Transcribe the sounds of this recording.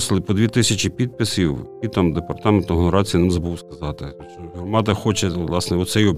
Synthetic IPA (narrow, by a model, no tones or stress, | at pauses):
slˠɪpɔd̪ʋʲit̪ɪsʲɐt͡ʃipʲid̪̚pɪsʲiwʲit̪ɐmd̪epɐrt̪ɑment̪ʊɦɔnɐɾɑt͡sʲijɐnɪmzɐbuwskɐzɑt̪ɪ | t͡ʃɔɦɔrmɑt̪ɐxɔt͡ʃɛʋlˠɑsnɛɔt̪sɛjɔ